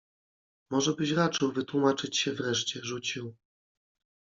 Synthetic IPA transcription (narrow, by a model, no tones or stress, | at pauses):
mɔʐɛbɘɕɾat͡ʂɘwvɘt̪wumat͡ʂɘt͡ɕɕɛvɾɛʂt͡ɕɛʐut͡ɕiw